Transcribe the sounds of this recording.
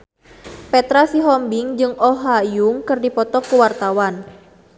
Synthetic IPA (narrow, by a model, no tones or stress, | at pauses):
pɛt̪ɾasiɦɔmbɪŋd͡ʒɨŋɔɦajuŋkɨrdipɔt̪ɔkuwart̪awan